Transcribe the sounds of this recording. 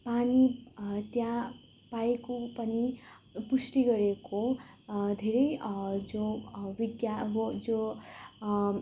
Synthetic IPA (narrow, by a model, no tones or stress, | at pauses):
panit̪jã | paekopʌni | pusʈiɡʌɾeko | d̪ʱeɾʌjd͡zowiɡjad͡zo